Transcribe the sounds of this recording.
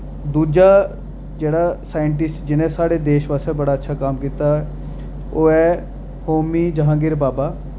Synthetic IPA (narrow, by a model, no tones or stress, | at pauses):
d̪uːd͡ʒaː | d͡ʒeːɽaːsaːjəɳʈ̬ɪsʈd͡ʒɪnẽːsaːɽeːd̪eːʃʋaːsɛːbəɽaːətːʃʰaːkaːmkiːt̪aː | oːɛː | hoːmiːd͡ʒəɦãːɡɪɾbaːbaː